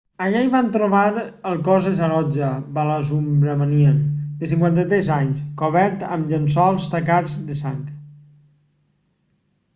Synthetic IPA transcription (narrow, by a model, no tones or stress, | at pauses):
əʎaiβant̪ɾoβaɾəlˠkɔzəzəɾɔd͡ʒəbaləzumbɾəmaniəd̪əsiŋkwant̪ət̪ɾɛzaɲskoβɛɾt̪ə̰mʎənsɔalˠst̪əkazd̪əsaŋk